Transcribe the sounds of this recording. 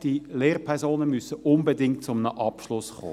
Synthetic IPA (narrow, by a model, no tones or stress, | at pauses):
d̥ileːʁpʰɛʁzoːnəmysəʔʊmbedɪŋtt͡sʊmənəʔɑpʃlʊsχo̰ː